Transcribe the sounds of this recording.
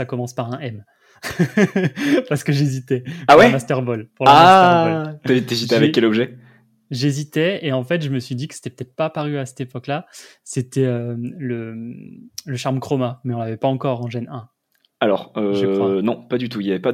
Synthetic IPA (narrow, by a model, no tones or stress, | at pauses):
sakɔmɑ̃spaʁɛ̃ʔɛm | paʁsə̥kəʒezit̪ɛawɛmast̪ɛʁbɔlpuʁla | t̪et̪ezit̪ɛavɛkkːɛlɔbʒɛ | ʒezit̪ɛeɑ̃fɛt̪ʒəməsɥid̪ikə̥se̥t̪ɛpə̥t̪ɛt̪χpapaʁyasɛ̥t̪epɔklaset̪ɛølə | ləʃaʁmkχɔmamɛɔ̃lavɛpaɑ̃kɔʁɑ̃ʒɛnɛ̃ | alɔʁønɔ̃pad̪yt̪uiljavɛpa